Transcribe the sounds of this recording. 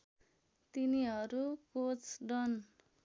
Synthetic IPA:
t̪iniɦʌɾukot͡sɖʌn

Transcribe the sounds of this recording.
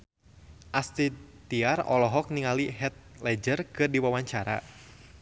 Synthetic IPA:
ʔast̪it̪iarɔ̰lɔɦɔk̚niŋaliɦɛt̪̚lɛd͡ʒərkɨrdiwawaɲt͡ʃaɾa̰

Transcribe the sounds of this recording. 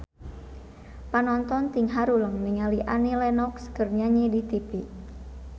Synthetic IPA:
panɔnt̪ɔnt̪iŋɦaɾuləŋniŋaliʔanilɛnɔkskərɲaɲidit̪ipi

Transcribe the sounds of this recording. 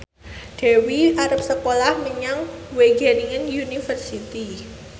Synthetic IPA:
d̥ɛ̤wiʔaɾəp̚səkolahməɲaŋweɡ̥ɛniŋənjunifərsit̪i

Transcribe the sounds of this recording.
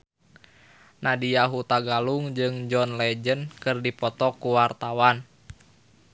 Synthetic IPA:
nadiaɦut̪aɡaluŋd͡ʒɨŋd͡ʒɔnlɛd͡ʒənkɨrdipɔt̪ɔkuwart̪awan

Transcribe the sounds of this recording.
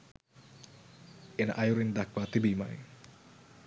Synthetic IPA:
ɪnʔajuɾind̪akwat̪ibima̰j

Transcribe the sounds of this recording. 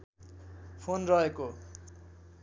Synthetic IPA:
pʰonrʌɦeko

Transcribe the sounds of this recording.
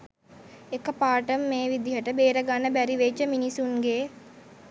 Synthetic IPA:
ekəpaːʈəmːeːʋid̪iɦəʈəbeːɾəɡanəbæɾiʋet͡ʃːəminisunɡe

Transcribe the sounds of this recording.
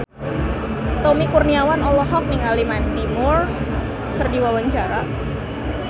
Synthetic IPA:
t̪omikurniawanɔlɔɦɔk̚miŋalimant̪imʊr | kərdiwawaɲt͡ʃaɾa

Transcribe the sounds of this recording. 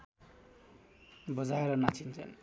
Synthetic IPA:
bʌd͡zaeɾʌnat͡sint͡sʰʌ̰n

